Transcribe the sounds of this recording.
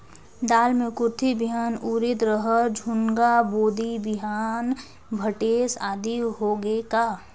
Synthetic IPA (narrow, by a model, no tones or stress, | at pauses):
d̪aːlmẽkʊɾt̪ʰibiɦaːnuɾɪt̪ɾəɦəd͡ʒʱʊŋɡaboːd̪ʱibɪɦaːn | bʱəʈeːsaːd̪iɦoːɡeːkaː